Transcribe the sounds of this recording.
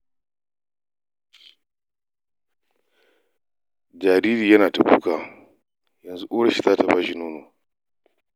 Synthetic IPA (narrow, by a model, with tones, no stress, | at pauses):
d͡ʒaː˨ɾiː˦ɾiː˨jɐ˦naː˨ta˨kṵː˦kaː˨ | jɐ˨nzu˦ʔu˦ɽɐ˦ʃi˦zaː˦ta˨baː˦ʃi˦nuː˦noː˨